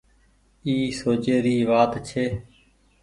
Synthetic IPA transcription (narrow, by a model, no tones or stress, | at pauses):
iːsoːt͡ʃeːɾiːʋaːt̪t͡ʃʰeː